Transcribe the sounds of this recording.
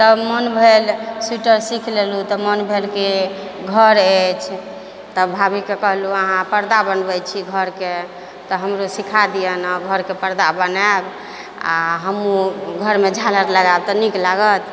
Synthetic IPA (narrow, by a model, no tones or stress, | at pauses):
t̪əbmənbʱelsuʈəɾsikʰlelut̪ɔmənbʱelke | ɡʱəɾet͡ʃʰ | t̪əbʱabikekəɦluəɦãpəɾd̪abənbət͡ʃʰiɡʱəɾke | t̪ɔɦəmɾosikʰad̪ijənəɡʱəɾkepəɾd̪abənaeb | a̰ɦəmuɡʱəɾmed͡ʒʱaləɾləɡabt̪ɔniklaɡət̪